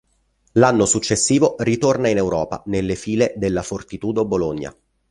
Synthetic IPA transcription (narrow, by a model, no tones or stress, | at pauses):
lanːosut͡ʃːesːiːvorit̪ornainewɾɔːpa̰nelːefiːled̪elːafort̪it̪uːd̪oboloɲːa̰